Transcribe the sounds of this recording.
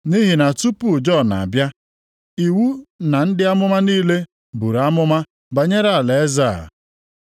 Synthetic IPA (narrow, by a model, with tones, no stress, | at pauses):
ni˦ɦi˨na˨tu˦pu˨d͡ʒɔ˦˨na̰˨a˨bja˦ | i˨wu˦na˨n̩˦dɪ˦a˦mʊ˦ma˦niː˦le˦ | bu˨ɾa˦mʊ˦ma˦ | ba˨ɲe˦ɾa˦a˨le˨e˦za˦˨